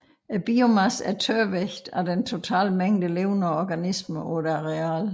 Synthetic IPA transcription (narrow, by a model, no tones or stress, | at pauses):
æb̥iomæsæt͡sʰøɐʋeçd̥ædent͡sʰo̝t͡sʰɛ̰ːlmeŋ̰d̥əle̝ːʊnəɒɒɡ̥ænisməʔɔd̥ʁɛæ̰ːl